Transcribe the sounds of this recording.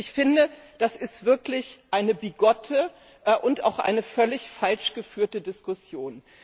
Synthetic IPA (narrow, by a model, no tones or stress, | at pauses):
ɪçfɪndə | d̥asɪstv̥ɪɐklɪçʔaɪnəbiɡɔtʰə | ʔʔʊntʔa̰ʊxʔa̰ɪnəfœlɪçfalʃɡ̥əfyːɐtədɪskʊsjoːn